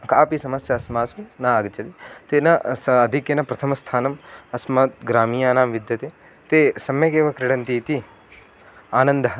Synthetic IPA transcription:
kaːpisɐmɐsjɐɐsmaːsunaːɡɐt͡ʃɐt̪it̪eːnɐsːd̪ʱikjɐnɐpɾɐt̪ʰɐmɐst̪ʰaːnɐmɐsmaːt̪̚ɡɾaːmiːjaːnaːmʋid̪jɐt̪eː | t̪eːsɐmjɐkeːʋɐkɾɪɽɐnt̪it̪i | aːnɐnd̪ʱɐɦ

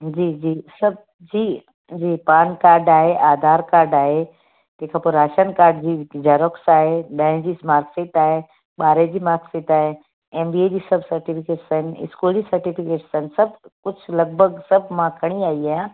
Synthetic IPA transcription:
d͡ʑiːd͡ʑiːsɐb̚ʱ | d͡ʑiː | d͡ʑiːpaːnkaːɾɖaːɦeʔaːd̪ʱaːɾkaːɾɖaːɦe | t̪eːkʰãpoɾaːʃənkaːɾɖd͡ʑiːd͡ʑaːɾoksaːɦeɗɐ̃ɦɪ̃d͡ʑiːsmaːɾkseːʈ̪aːɦe | ɓaːɾed͡ʑiːmaːɾkseːʈ̪aːɦe | eːmbied͡ʑiːsɐbʱsɐɾʈifʰɪkeːʈsaɦɪnɪ̰skuːld͡ʑiːsɐɾʈipʰɪkeːʈsɐɦɪnsɐb̚ʱkʊt͡ɕʰlɐɡ̚bʱəɡsɐbʱmãkʰɐɽ̃iaːiaːɦjã

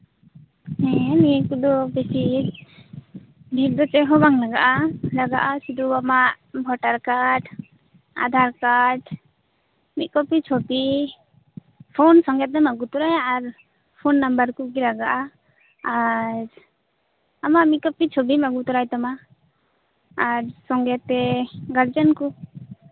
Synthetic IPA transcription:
hɛ̃miɛkud̪ɔbɛsi | bʱip̚d̪ɔt͡ʃɛɦɔbaŋlaɡaʔalaɡaʔasid̪uamaʔ | bʱɔʈaɾkaʈ | a̰d̪ʱaɾkaʈ | mit̪̚ˀkɔpit͡ʃʰopi | pʰonsɔŋɡɛt̪̚ːɛmaɡut̪ɔɾajaɾ | pʰonːambəɾkukilaɡaʔa | aɾ | amamit̪̚kɔpit͡ʃʰobimaɡut̪ɔɾajt̪ama | ɾsɔŋɡɛt̪ɛɡaɾd͡ʒənku

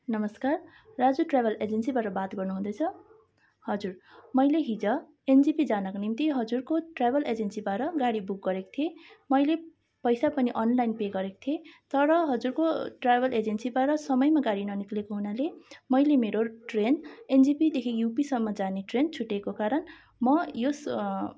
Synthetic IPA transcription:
nʌmʌskarː | ad͡zuʈrabʱʌled͡zensibaʈʌbat̪ɡʌrnuɦũd̪ʌjt͡sʰʌ | hʌd͡zurmʌjleɦid͡zʌ | end͡zipid͡zanakonimt̪iɦʌd͡zurkoʈrabʱʌled͡zensibaɾʌɡaɽibuk̚ɡʌɾeko̥t̪ʰiemʌjle | pʌjsapʌniʔʌnlajnpeɡʌɾeko̥t̪ʰiet̪ʌɾʌɦʌd͡zurkoʈrajbʱʌled͡zensibaʈʌsʌmʌjmaɡaɽinʌniklekoɦunalemʌjlemeɾoʈrenend͡zipid̪ekʰijupisʌmːʌd͡zaneʈrent͡sʰuʈːekokaɾʌn | mʌjos

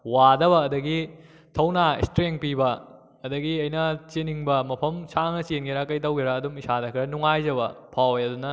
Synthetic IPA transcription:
wadɐβɐːdɐɡi | tʰɐwnaḭstɾeŋpibɐ | ɐdɐɡiɐjnɐt͡ʃeniŋbɐmɐpʰɐmsaŋɐsenɡʰiɾakɐjtɐwɡiɾaːdumisadɐkʰiɾɐnuŋajd͡ʒɐβɐpʰawjɐdunɐ

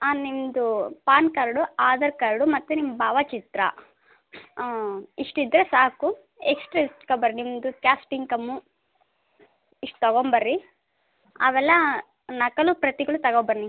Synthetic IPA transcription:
animd̪upaːnkɐɾɽuaːd̪ɐɾkɐɾɽumɐt̪ːunimbaːʋɐt͡ʃit̪ɾɐ̰ | iʂʈid̪ːɾesaːku | eksʈɾɐisʈkɐbɐɾnimd̪ukjaːsʈiŋɡkɐmːu | iʂʈu̥t̪ɐɡombɐɾːi | ɐ̰ʋɛlːɐ | nɐkɐlupɾɐt̪iɡɐɭut̪ɐɡoːbɐɾni

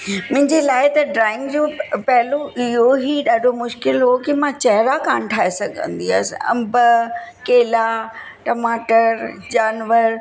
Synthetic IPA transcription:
mʊ̃ɦɪ̃ɲd͡ʑelaːɪt̪ɐɖɾaːɪ̃ŋɡd͡ʑoːpɐɦɪloʔɪɦoɦiːɗaːɖʱomʊʃkɪlɦokimãt͡ɕɐɦɪɾakaːnʈʰaːesɐɡʱə̰̃nd̪ia̰ːsɐ̰̃mbəkeːla | ʈɐmaːʈəɾd͡ʑaːnʋəɾ

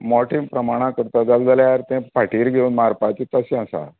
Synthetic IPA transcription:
mɔʈʰĩmpɾəmaɽ̃ãkəɾt̪ad͡zald͡zaljaɾt̪ɛ̃paʈiːɾɡʱeunmaɾpat͡ɕit̪əsɛ̃əsa̰

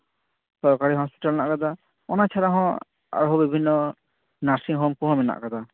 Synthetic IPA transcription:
sɔɾkaɽiɦɔspi̥ʈalnaʔkad̪a | ɔnat͡ʃʰaɾaɦɔ̃ | a̰ɾɦɔbibʱinːɔ | naɾsiŋɦomkuɦɔ̃mɛna̰ʔkad̪a

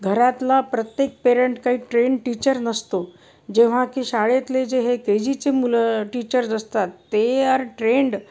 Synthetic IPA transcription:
ɡʱəɾat̪lapɾət̪jek̚peɾeɳʈkaɦiːʈɾeɳɖʈit͡ɕəɾnəst̪o | d͡ʑeʋ̤ãkiːɕaɭet̪led͡ʑeɦeked͡ʑit͡semuləʈit͡ɕəɾd͡zəst̪at̪ːeəɾʈɾeɳɖ

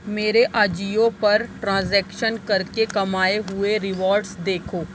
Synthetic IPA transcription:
meːɾeʔaːd͡ʒiːopɐɾʈɾãːzɛːkʃənkɐɾkekɐmaːeɦʊeɾɪʋɔːɾɖsd̪eːkʰoː

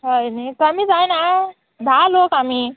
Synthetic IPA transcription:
ɦʌjnit̪ʌmid͡zajna | d̪ʱalokɦami

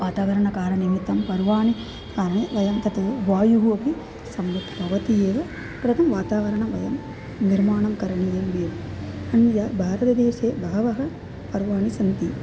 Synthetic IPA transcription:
ʋaːt̪aːʋɐɾɐɳɐkaːlɐnimit̪ːɐmpɐɾʋaːɳi | kaːɾɐɳeːʋɐjɐmt̪ɐt̪ɐʋaːjuɦuɐpi | sɐmɾɐt̪bʱɐʋɐt̪ieːʋɐ | pɾɐt̪ʰɐmʋaːt̪aːʋɐɾɐɳɐmʋɐjɐm | niɾmaːɳɐmkɐɾɐɳijɐmːeːʋɐ | ɐnjaːbʱaːɾɐt̪ɐd̪eːʃeːbʱɐɦɐʋɐɦɐ | pɐɾʋaːɳisɐnt̪i

